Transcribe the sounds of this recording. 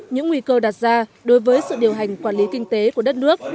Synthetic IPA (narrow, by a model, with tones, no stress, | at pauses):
ɲɨ̰˧˥ŋːwi˧kəː˧ɗaː˨˩t̚zaː˧ɗo˨˦jvəː˨˦jsɨ̰˧˨ɗi˨˩əwɦa˨˩jŋ̟kwaː˧˩nli˨˦kï˧ŋ̟t̪e˨˦ku˧˩əɗə˦˥t̚nɨ˦˥ək̚